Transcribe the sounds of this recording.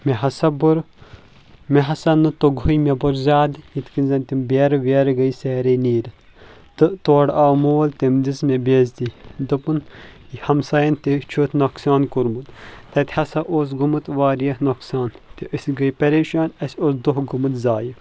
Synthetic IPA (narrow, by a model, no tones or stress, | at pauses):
meɦɐsɐbuɾ | meɦɐsɐnɨt̪oɡɦujmʲebɐɾzʲaːd̪jit̪kinʲzɐnt̪ʲimbeɾʋeːɾɡɐjseːɾɐniːɾ | t̪ɨʔt̪oːɽaːmoːlt̪ʲimd̪ismebʲeːzd̪id̪ɨpɨnihɐmsaːjɐnt̪it͡ʃʰuːt̪noksaːnkuɾmut̪t̪ɐt̪ʲhɐsɐʔoːs̬ɡumɨt̪ʋaːɾijɐhnoksaːnt̪iʔəsʲɡɐjpɐɾeːʃaːnɐsʲoːsd̪oɦɡumɨt̪zaːji